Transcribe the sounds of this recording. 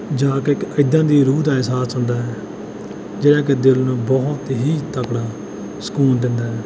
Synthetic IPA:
d͡ʒaːkekəɪd̪ãːd̪iːɾuːd̪aːɛsaːsɦʊ̃nd̪aːɛː | d͡ʒeːɽaːk̬ɪd̪ɪlnũːbɔɦʊt̪ɦiːt̪əkɽaː | sə̥kuːnd̪ɪnd̪aːɦɛː

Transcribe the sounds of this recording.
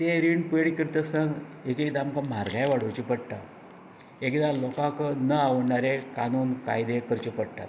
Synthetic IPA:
t̪eɾiɳɖpəɽikəɾt̪əsãŋɡet͡ɕekid̪aːmkam̤aɾɡʱajʋaɽ̤əwt͡ɕipəɽʈa̰ | ekid̪alɔkãkənəaʋɳaɾekanuːnkajd̪ekəɾt͡ɕipəɽʈa̰t̪

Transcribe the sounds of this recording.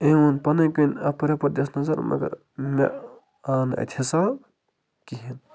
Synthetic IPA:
ewunpɐnɐkunɐpɾepɐd̪esnɐzɐɾmʔɐ̰ɡɐ̰ɾ | mḛ | aːnɐ̰t̪ʰesa | kiɦin

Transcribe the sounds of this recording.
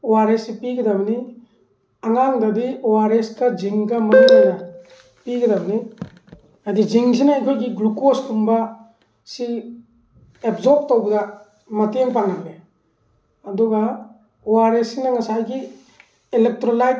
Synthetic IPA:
owaɾesipiɡɐdabni | aŋaŋdɐdiowaɾeskɐd͡ʒiŋkɐmanlajna | piɡɐdabni | adid͡ʒiŋsinaajkʰojɡiɡlukostumba | si | epzɔp̚tːowbɐda | mɐteŋpaŋamle | ɐdɔɡa | owaɾesinɐŋɐsajɡi | elek̚tɾolajt̚

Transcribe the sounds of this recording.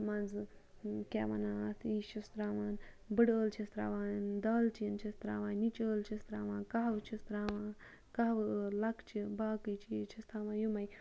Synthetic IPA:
mɐnd͡zɨ | kʲḛːʋɐ̰naːt̪ʰiʃist̪ɾaːʋaːn | bɨɽəːlt͡ʃʰist̪ɾa̰ːʋaːnd̪aːlt͡ʃijɐnt͡ʃʰist̪ɾa̰ːʋaːnnit͡ʃəːlt͡ʃʰist̪ɾaːʋãːnkaɦwt͡ʃʰist̪ɾaːʋaː | kaɦɐʋəlɐkt͡ʃʰibaːkɨjt͡ʃijit͡ʃʰist̪ʰaːʋãːjumɐj

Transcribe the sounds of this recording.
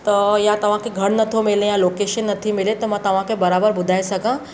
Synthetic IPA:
t̪ɐjat̪ɐʋ̤ãkeɡʱɐɽnɐt̪ʰomɪlẽjãloːkeːʃənːɐt̪ʰimɪlet̪omɐ̃t̪ɐʋ̤ãkebɐɾaːbəɾbʊd̪ʱaːesɐkãː

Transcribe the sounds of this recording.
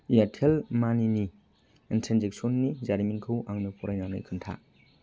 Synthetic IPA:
ijatʰelmanini | intʰɾenzek̚sɔnːizaɾiminkʰɯwʔaŋnɯpʰɔɾajnawna̰jkʰɯntʰa̰

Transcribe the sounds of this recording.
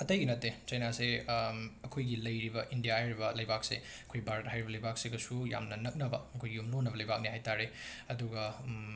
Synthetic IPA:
ɐtɐjɡinɐtːet͡ʃɐjnase | ɐkʰojɡilɐjɾibɐʔindijahajɾibɐlɐjbak̚se | ɐkʰojbaɾɐt̚hajɾibɐlɐjbak̚seɡɐsuja̰mnɐnɐk̚nɐbɐɐkʰojɡijumlonːɐbɐlɐjbak̚niɦajtaɾe | ɐduɡɐ

